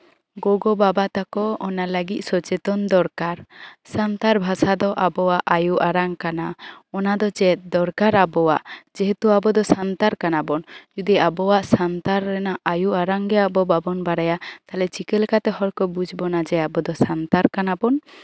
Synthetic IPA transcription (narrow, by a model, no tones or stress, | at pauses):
ɡɔɡɔbabat̪akɔɔnaləɡit̪̚ˀsɔt͡ʃɛt̪ɔnd̪ɔɾkaɾsant̪aɾbʱasad̪ɔʔabɔwaʔʔajuʔaɾaŋkanaɔnad̪ɔt͡ʃɛd̪ɔɾkaɾabɔwa̰ʔd͡ʒɛɦɛt̪uabɔd̪ɔsant̪aɾkanabɔnd͡ʒud̪iabɔwaʔsant̪aɾːɛnaʔajuaɾaŋɡɛabɔbabɔnbaɾajat̪alɛt͡ʃikɛlkat̪ɛɦɔɽkɔbud͡ʒʱbɔnad͡ʒɛabɔd̪ɔsant̪aɾkanabɔn